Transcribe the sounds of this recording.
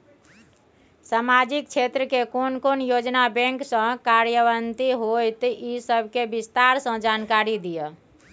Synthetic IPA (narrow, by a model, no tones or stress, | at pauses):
samad͡ʒik̚t͡ʃʰet̪ɾəkekonkonjod͡ʒnabɛ̃ŋksə̃kaɾjəβənt̪iɦojt̪isəbʱkebist̪aɾsə̃d͡ʒankaɾid̪ijə